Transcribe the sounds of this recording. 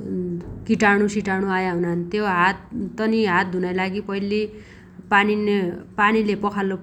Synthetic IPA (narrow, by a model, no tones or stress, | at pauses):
kiʈaɽ̃usiʈaɽ̃uajaɦunant̪joɦat̪̚ːʌniɦat̪̚d̪ʱunʌjlaɡipʌili | paninpanilepʌkʰalːo